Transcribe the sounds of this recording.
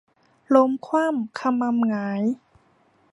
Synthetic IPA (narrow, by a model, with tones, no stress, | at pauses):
lo˧mkʰwaː˥˩˨mkʰa˧ma˧mŋaː˩˦j